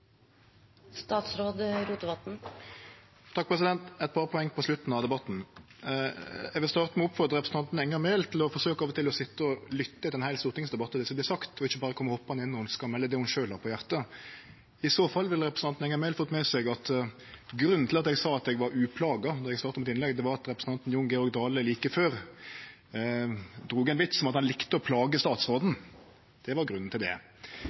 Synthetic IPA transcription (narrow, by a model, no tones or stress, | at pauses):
st̪ɑːt̪sɾoːd̪ɾut̪d̪ɛbɑt̪n̩ | t̪ʰɑk̚ːpʰʁɛsɪd̪ɛnt̪ɛt̪̚pʰɑːɾpʰɔɛŋːpʰɔslʉt̪n̩ɑʋd̪ɛbɑt̪n̩ | ɛɡʋɪlst̪ɑːʁt̪əmɛɔpfɔɾʁd̪ɾəʁɛpɾsn̩ʰɑnt̪nɛŋːəmɛɪlt̪ʰɪlɔfɔʁsøːkɑːʋət̪ʰɪlɔsɪt̪ːəɔlʏt̪ːəɪt̪ɛnhæɪlst̪uːɾt̪ʰɪŋsd̪ɛbɑt̪ːəd̪ɛsɔblæɪsɑkt̪ʰɔɪçːəbɑːɾəkʰɔmːəhɔpːɑhɑnɪnːɔhʊnskɑmɛlːəd̪ɛhʊnʃøːlhɑɾpʰɔjæʁt̪ə | ɪsoːfɑlːʋɪləɾɛpɾəsɑnt̪n̩ɛŋːɑɾmɛlfɔt̪ːmɛsɛɡɑt̪ | ɡɾʉn̩ːɪlɑt̪ɛɡsɑːɑt̪ɛɡʋɑɾʉːpʰlɑːɡɑd̪ɔʁɛɡsɑːɾt̪ɑmɛt̪ɪnlɛɡd̪ɛʋɑɾɑt̪ʁɛpɾəsn̩ɑnt̪n̩jʊŋɡɛɔɾɡ̚d̪ɑːləliːkəføːɾ | d̪ɾuːɡæɛnʋɪt̪sɔmɑt̪hɑnlɪkt̪əɔpʰlɑːɡəst̪ɑːt̪sʁoːd̪n̩ | d̪̥ɛʋɑɾɡɾʉnːn̩t̪ʰɪld̪ɛ̰